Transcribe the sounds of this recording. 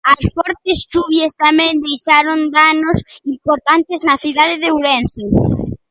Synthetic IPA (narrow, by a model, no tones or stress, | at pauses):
ɐsfɔɾt̪ɪst͡ʃuβjast̪amɛ̃nd̪ejʃaɾond̪anosimpoɾt̪ant̪eznɐθiðaðeðeuɾɛnsi